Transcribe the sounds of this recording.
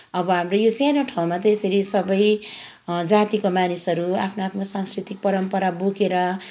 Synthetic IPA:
ʌbʌɦamrojosjanoʈʰaw̃mat̪ʌesʌɾisʌbʌj | d͡zat̪ikomanisɦʌɾuapʰnoapʰnosaŋskrit̪ik̚pʌɾʌmpʌɾabokeɾʌ

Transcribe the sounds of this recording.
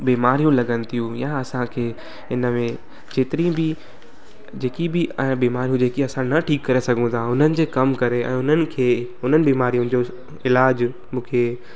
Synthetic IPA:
biːmaːɾijũlɐɡənɪ̆t̪ʰijũjaɐsãkʰeː | ɪnəmẽ | d͡ʑeːt̪ɪɾĩbɪ | d͡ʑeːkibɪbiːmaːɾijũd͡ʑeːkiɐsãnɐʈʰiːkːɐɾesɐɡʱũt̪ʰãɦʊn̤ənɪ̆d͡ʑeːkɐmkɐɾeɛ̰̃ːʊn̤ənɪ̆kʰeːɦʊn̤ənɪ̆biːmaːɾijũnɪ̆d͡ʑo | ɪlaːd͡ʑ | mũːkʰeː

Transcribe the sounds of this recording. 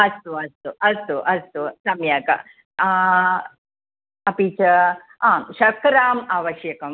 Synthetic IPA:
ɐst̪oɐst̪oʔɐst̪oʔɐst̪osɐmjakɐ̰ | ɐpit͡ɕɐ | aːmɕɐkɾaːmaːʋɐɕjɐkɐm

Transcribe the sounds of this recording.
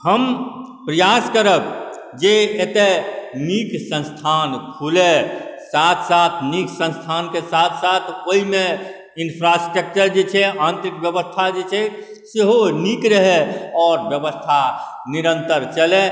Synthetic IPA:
həm | pɾəjaskəɾək | d͡ʒeet̪eniksə̃nst̪ʰankʰulesat̪ʰsat̪ʰniksə̃nst̪ʰankesat̪ʰsat̪ʰoɦime | inpʰɾasʈɾək̚t͡ʃəɾd͡ʒet͡ʃʰɛãnt̪ɾikbjəbəst̪ʰad͡ʒet͡ʃʰɛ | seɦonikɾəɦeɔːɾbjəbəst̪ʰa | niɾənt̪əɾt͡ʃəle

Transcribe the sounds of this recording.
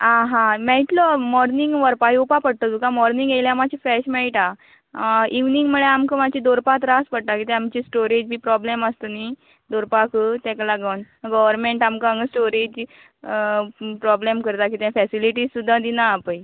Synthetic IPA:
ãɦãmɛɭʈlɔmɔɾniŋɡʋəɾpajupapəɽt̪ɔd̪ukãmɔɾniŋɡejljãmat͡ɕifɛɕmɛɭʈa | iʋniŋɡməɭeamkəmat͡ɕid̪oɾpat̪ɾaspəɽt̪akit̪ɛamt͡ɕisʈoɾed͡ʑbiːpɾɔbleməst̪əni | d̪oɾpakət̪ɛ̃klaɡən | ɡɔʋəɾmeɳʈamkaãŋɡəsʈoɾed͡ʑ | pɾɔblemkəɾt̪akit̪ãfɛsiliʈizsud̪ʱːãd̪inaːpəj

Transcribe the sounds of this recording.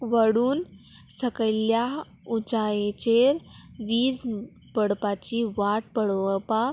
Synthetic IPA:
ʋəɽuːn | səkəjlja | ut͡ɕajẽt͡ɕeɾʋiːd͡z | pəɽpat͡ɕiʋaʈ̚pəɽʋəpa

